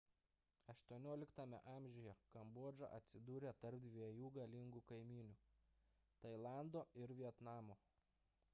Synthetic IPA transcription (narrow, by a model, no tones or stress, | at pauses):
ɐʃt̪uɔnʲoːlʲɪkt̪ɐmʲɛ̰ʔɑˑmʲʒʲɛjɛkɐmbuɔd͡ʒɐ̰ʔɐt̪ʲsʲɪd̪uːɾʲet̪ɐɾp̚d̪ʲʋʲiɛjuːɡɐlʲɪŋɡukɐɪmʲiːnʲuː | t̪ɐɪlˠɑˑnd̪oːɪɾʋʲiɛt̪nɑːmoː